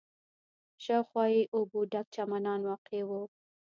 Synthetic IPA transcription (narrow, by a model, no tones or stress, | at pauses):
ʃawxwɑiʔʊbuɖak̚t͡ʃamanɑnwɑqewu